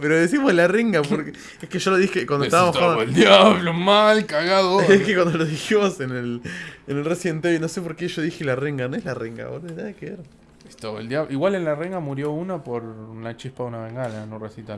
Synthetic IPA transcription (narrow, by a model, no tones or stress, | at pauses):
peɾoðesimozðlareŋɡapoɾk | eskeʒoloðixekwand̪oest̪aamat̪ald̪jaβlomalkaɣaðoehkekwand̪oloðiximo̞senelenelresjent̪einosep̬o̞ɾkeʒoðixilareŋɡanoezlareŋɡa̰oɾaeðaðekeeɾ | est̪aβoeld̪jaβiɣwale̞nlareŋɡamuɾjo̞unopoɾlat͡ʃihpaðunaβeŋɡananoresit̪a